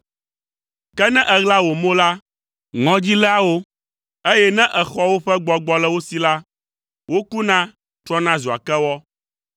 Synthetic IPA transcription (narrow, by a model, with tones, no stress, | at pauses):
kɛ˦nɛ̃˦ʔɛ˨ɣla˦wo˨mõ˦la˦ | ŋɔ̃˦d͡ʑi˦la˦wo˦ | e˦jɛ˦nɛ̃˦ʔɛ˨xɔ˦wo˦ɸɛ˦ɡ͡bɔ˦ɡ͡bɔ˨lɛ˦wo˦si˨la˦ | wo˦ku˦nã˦ | t̪ɾɔ˦nã˦zu˨a̰˨kɛ˦wɔ˦